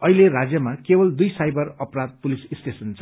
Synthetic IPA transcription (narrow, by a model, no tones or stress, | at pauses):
ʌɦileɾad͡zjʌmakebʌld̪ujsajbʌrʌprad̪̚pulisisʈesʌnt͡sʰʌ